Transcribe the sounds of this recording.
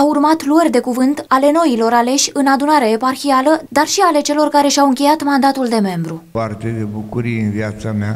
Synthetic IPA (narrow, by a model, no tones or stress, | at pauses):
aurmat̪luərʲd̪e̞kuvɨnt̪ale̞no̞ilo̞ɾale̞ʃʲɨnad̪unaɾaeparxialəd̪arʃiale̞t͡ʃe̞lo̞rkaɾe̞ʃawɨŋkʲe̞jat̪mand̪at̪uld̪e̞me̞mbɾuart̪ed̪ebukuɾijeɨnvjat̪samea